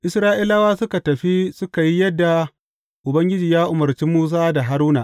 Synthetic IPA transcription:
ʔɪ˨sɾaː˦ʔi˦laː˦waː˦sʊ˦ka˨tɐ˨ɸi˦sʊ˦ka˨ji˦jɐ˦dːa˨ | ʔʊ˨bɐ˦ŋɡʲɪ˦d͡ʒiː˨jaː˦ʔʊ˨mɐ˨rt͡ʃiː˦muː˦s̬aː˦da˨ɦa˦ɾuː˦na̰˨ʔ

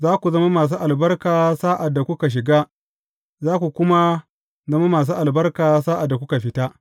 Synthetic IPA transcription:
zaː˦kʷu˨zɐ˦ma˦maː˨s̬u˦ʔa˨lbɐ˦rkaː˨saː˦ʔa˨dːa˨kʷʊ˦ka˨ʃ̬ɪ˨ɡaː˦ | zaː˦kʷu˨kʷʊ˦ma˦ | zɐ˦ma˦maː˨s̬uː˦ʔa˨lbɐ˦rkaː˨saː˦ʔa˨dːa˨kʷʊ˦ka˨ɸɪ˦ta˦

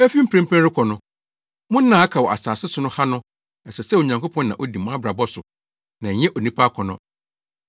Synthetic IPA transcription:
æ˦fi˦m̩˦pʰɾɛ̃˦m̩˦pʰæ̃˦ɾɪ˦kʰɔ˨nʊ̃˦ | mʊ̃˦n̩˦nã˨˦a˦kʰa˨wɔ˨a̰˨saː˨sɪ˦sʊ˨nʊ̃˦ha˦nʊ̃˦ | ɛ˨sɛ˨sɛ˦wo˨ɲã˨ŋko˦pʰɔ̃˦nːã˨ʔɔ˦di˨mã˦bɾa˨bɔ˦sʊ˨ | nã˨ɲɛ̃˦ʔo˨nĩ˦pʰa˦kʰɔ˨nʊ̃˦

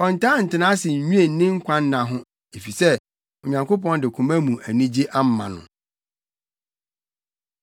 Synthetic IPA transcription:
ɔ˨n̩˨tʰã˦n̩˨tɪ˨nã˦sɪ˨ɲ̩˨ɲũ˦e˨n̩˦nɪ̃˦ŋ̩˦kʷʰã˦n̩˦nã˨ɦʊ̃˦ | e˨fi˨sɛ˦ | o˨ɲã˨ŋko˦pɔ̃˦ndɪ˨kʰũ˨mã˦mũ˨ʔæ˨nĩ˦d͡ʑi˦ʔa˦m̩˦mã˨nʊ̰̃˨

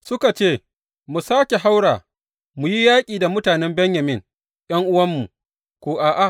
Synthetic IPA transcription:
sʊ˦ka˨t͡ʃeː˦ | mu˨saː˦kʲe˨ɦa˦wɽaː˨ | mu˨ji˦jaː˦kʲʼiː˨da˨mʊ˦taː˨nɛ˦mbɛ˦ɲja˨mɪ˦ŋ | jɐ˦ŋʔʊ˦wɐ˦mːu˨ | kʷoː˨ʔaː˨ʔa˨

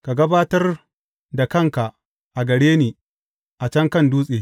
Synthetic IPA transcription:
ka˨ɡɐ˦baː˦tɐ˦r | da˨kɐ˦˨ŋka˨ʔ | ʔa˨ɡɐ˨ɽeː˦niː˨ | ʔa˨t͡ʃɐ˦ŋkɐ˦˨nduː˦sʼeː˨

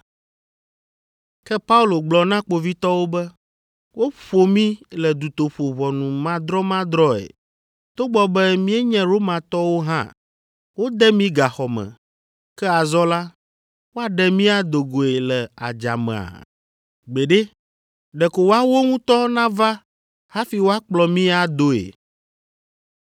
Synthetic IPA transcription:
kɛ˦pa˦u˦lo˨ɡ͡blɔ˨nã˦k͡po˨vi˦t̪ɔ˦wo˦bɛ˦ | wo˦ɸo˨mĩ˦lɛ˨d̪u˨t̪o˨ɸo˨βɔ˨nũ˨mã˦d̪ɾɔ˦mã˦d̪ɾɔ˦ḛ˨ | t̪o˦ɡ͡bɔ˦bɛ˦mĩ˦ɛ˦ɲɛ̃˦ɾo˦mã˨t̪ɔ˦wo˦ɦã̰˦ | wo˦d̪ɛ˦mĩ˦ɡa˨xɔ˨mɛ̰̃˨ | kɛ˦a˨zɔ˦la˦ | wo˦a˨ɖɛ˨mĩ˦a˨d̪o˨ɡo˨e˨lɛ˨a̰˨d͡ʒa̰˨mɛ̰̃˨a̰˨ | ɡ͡be˨ɖɛ˦ | ɖɛ˨ko˨wa˦wo˦ŋũ˦t̪ɔ˦nã˦va˦ | ha˦fi˨wo˦a˦k͡plɔ˨mĩ˦a˨d̪o˦ḛ˨

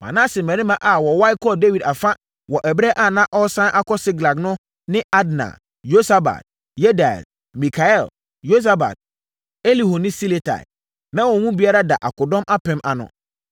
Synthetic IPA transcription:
mã̰˨nãː˦sɪ˨mæ̃˨ɾĩ˦mã˨ʔa˨wɔ˨wa˦i˦kʰɔ˦de˦wi˨da˨fa˦ | wɔ˨ʔɛ˨bɾɛ˦ʔa˦˨nã˦ʔɔ˦sã˦ʔa˦kʰɔ˦sɪ˦ɡla˨knʊ̃˦ | nɪ̃˦a˦dnã̰˨ | jo˦sa˦ba̰˨t̚ | je˦da̰˨l | mĩ˨kʰa˨ɛ˦˨l | jo˦s̬a˦ba̰˨t̚ | e˦li˨ho˨nɪ̃˦si˦le˨tʰa̰˨ɪ˨ | nã˦wɔ˨hũ˦bi˦a˦ɾa˦da˨ʔa̰˨kʰʊ˨dɔ̃˦mʔa˦pʰɛ̃˦mʔa˨nʊ̰̃˨

